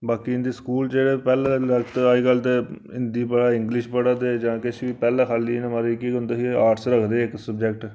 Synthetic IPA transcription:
baːkiɪ̃nd̪iːskuːld͡ʒeːɽeːpɛːlaːɾəkt̪aiːkəlt̪e | ɪnd̪iːbəɽaːɪ̃ŋɡlɪʃbəɽaːd̪eːd͡ʒãːkɪt͡ʃʰʋiːpɛːlãːkʰaːliːnẽmaɾeːkiʊ̃nd̪eɦiaːʈsɾəkʰd̪eːɪksəbd͡ʒɛkʈ

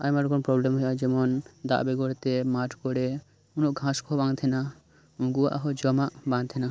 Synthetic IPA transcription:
a̰jmaɾkonpɾɔblemɦɔjad͡ʒɛmond̪a̰ʔbeɡoɾt̪emaʈʰkoɾe | unoʔɡʱãskʰɔɦbãŋt̪ʰena | ũɡuaʔaɦod͡ʒɔmaʔbãŋt̪ʰena

